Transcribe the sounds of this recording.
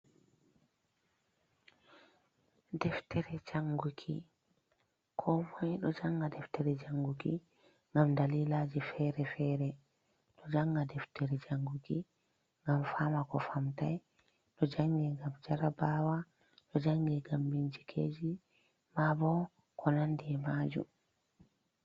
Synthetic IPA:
dɛftɛɾɛd͡ʒaŋɡukʰḭ | kʰɔmɔjɗɔd͡ʒaŋɡadɛftɛɾɛd͡ʒaŋɡukḭ | ŋɡamdaliːlad͡ʒifɛɾɛfɛɾɛ | ɗɔd͡ʒaŋɡadɛftɛɾɛd͡ʒaŋɡuki | ŋɡamfaːmakɔfamtaj | ɗɔd͡ʒaŋɡɛŋɡamd͡ʒaɾabaːwa | ɗɔd͡ʒaŋɡɛɡambiɲd͡ʒikʰeːd͡ʒi | mabɔ | kʰɔnandiɛmaːd͡ʒṵm

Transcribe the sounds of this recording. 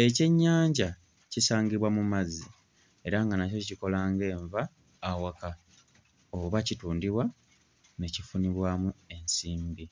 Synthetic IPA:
e̞ce̞ɲːaːɲɟa | cisaːŋɡiβwamumazːi | e̞ɾaŋɡanaco̞iciko̞laːŋɡe̞ːɱvaː | waka | oβacituːndiβwa | ne̞cifuniβwamue̞nsiːmbi

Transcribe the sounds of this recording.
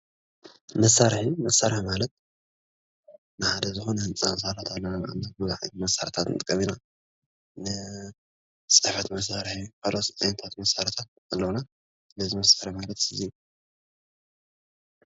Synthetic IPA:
mɐsːaɾħimɐsːaɾħmalɐt̪̚ | nɨħad̪ɐzɨxonhɨnt͡sʼansaɾat̪ʰalːanaba̰mabɨzaħḭmɐsaɾt̪ʰat̪nɨt̪ʼɨkʼːɐmina | nɨ | sʼɨħfɐt̪mɐs̬aɾħifʰalost̪ʼajnɐt̪ʰat̪mɐsaɾt̪ʰat̪̚ | alːɐwuna | lɐzɨmɐsaɾɨħmalɐt̪ɨjɛ

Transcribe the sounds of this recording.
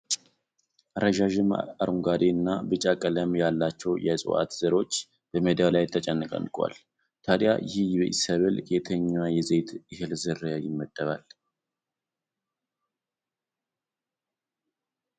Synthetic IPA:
ʔɾəʒaʒɨmaɾʔuŋɡad̪eɨnːabɨt͡ʃʼakʼələmjalːat͡ʃːɛwjɛsʼɨ̰ʔa̰t̪z̥əɾo̞t͡ʃː | b̥əmed̪jalajt̪ʰːət͡ʃʼɛnːɨkʼə̰nːkʼwa̰l | t̪ʰad̪ja̰jɪhjbəʔḭsəβɨlɡet̪ʰəɲːwajɛze̞t̪ʔɨhɨlzɨrːəjajɪmːəd̪̥ːəβal

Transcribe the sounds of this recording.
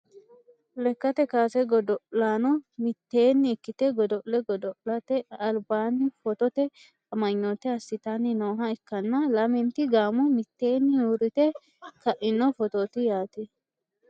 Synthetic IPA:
lɛkːɐt̪ɛkaːsɛɡɔd̪ɔʔlaːnɔmɪt̪ːe̞ːnːɪːkːɪt̪ɛɡɔd̪ɔʔlɛɡɔd̪ɔʔlɐt̪ɛɐlbaːnːɪfɔt̪ɔt̪ɛ | ɐmɐɲːɔt̪ɛɐsːɪt̪anːɪnoːɦɐɪkːɐnːɐlɐmɛnt̪ɪɡaːmʊmɪt̪ːe̞ːnːɪjuːɾɪt̪ɛ | kɐʔɪnːɔfɔt̪oːt̪ɪjaːt̪ɛ

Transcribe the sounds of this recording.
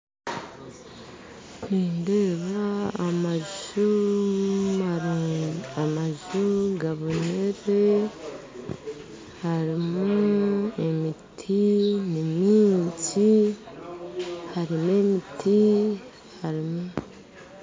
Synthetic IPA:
niːndeβaːmaʒu | ma | amaʒuɡaβoneɾe | haɾimoemitʰinimiːnsi | haɾimemitʰi | haɾimo

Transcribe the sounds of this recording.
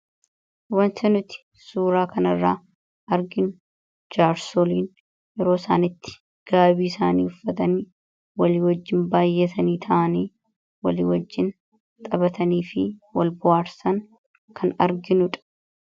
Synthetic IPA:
wɐnt̪ɐnʊt̪ɪ̥ | suːɾaːkʰɐnɐrːaː | ʔɐɾɡɪnʊ | d͡ʒaːɾsoliːn | jɛɾo̞ːsa̰ːnɪt̪ːɪ̥ | ɡ̥aːbiːɪsaːnḭːʊfːɐt̪ɐniː | wɐliːwɐd͡ʒːɪnbaːjːɛt̪ɐniːt̪ʰɐʔɐniː | wɐlḭːwɐd͡ʒːɪn | t̪ʼɐbɐt̪ɐniːfɪwɐlbʊhaːɾsɐŋ | kʰɐnɐɾɡɪnʊᶑɐ̥

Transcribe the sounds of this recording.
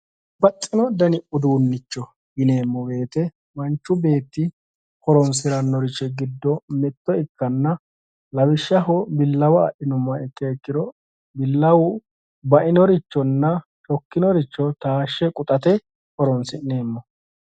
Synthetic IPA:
bɐtʼːɪnɔd̪ɐnɪʔʊd̪uːnːɪt͡ʃːɔ | ɡɪne̞ːmːɔɡe̞ːt̪ɛ | mɐnt͡ʃːʊbe̞ːt̪ːɪ | kɔɾɔnsɪɾɐnːɔɾɪt͡ʃːɛɡɪd̪ːɔmɛt̪ːɔɪkːɐnːɐ | lɐwɪʃːɐɦɔbɪlːɐwɐ̰ːʔɪnʊmːɐɪkːeːkːɪd̪ɔ | bɪlːɐwʊ | bɐʔɪnɔɾɪt͡ʃːɔnːɐ | t͡ʃɔkːɪnɔɾɪt͡ʃːɔt̪aːʃːɛkʼʊt̪ʼɐt̪ɛ | kɔɾɔnsɪnne̞ːmːɔ

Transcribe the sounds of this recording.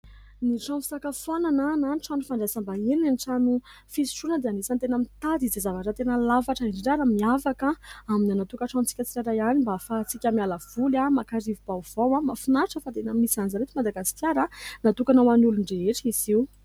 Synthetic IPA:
niʈ͡ʂɔ̃fi̥sakafonanananiʈ͡ʂanufaɳɖ͡ʐasambaenanʈ͡ʂanu | fisi̥ʈ͡ʂunəd̪eanisant̪enəmit̪ad̪izezavaʈ͡ʂat̪enəlavaʈ͡ʂəiɳɖ͡ʐiɖ͡ʐaɾamiafakəaminanat̪ukəʈ͡ʂãnt͡si̥kʲət͡siɾaɾajanimbafat͡sikʲamialəv̥ulamakaɾivubav̥owamafunaʈ͡ʂəfat̪enəmisanzaɾet̪imad̪aɡasi̥kʲjaɾənat̪ukanawanuluɳɖ͡ʐeeʈ͡ʂiziw

